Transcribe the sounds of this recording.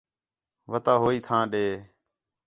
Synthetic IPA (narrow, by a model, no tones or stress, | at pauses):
ʋət̪aːɦoːiːt̪ʰãːɗeː